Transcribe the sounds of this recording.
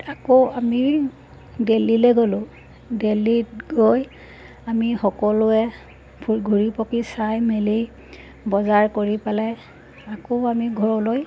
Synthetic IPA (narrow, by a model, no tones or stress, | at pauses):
akoami | delilɛɡolʊ̃ | deliɡoj | amixɔkɔlʊɛ | pʰuɡʱuɹipɔkisajmeli | bɔzaɹkoɹipalɛ | akoamiɡʱɔɹɔloj